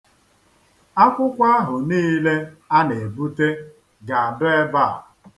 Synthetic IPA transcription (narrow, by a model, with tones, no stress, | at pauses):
a˦kʷʊ˦kʷa˦a˦ɦʊ˨niː˦le˦a˦ne˨bu˦te˦ | ɡa˨a˨dʊ˦e˦ba˦˨